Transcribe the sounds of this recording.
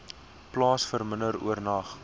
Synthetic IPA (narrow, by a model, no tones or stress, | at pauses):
plɑːsfərmənəɾṵərnɐχ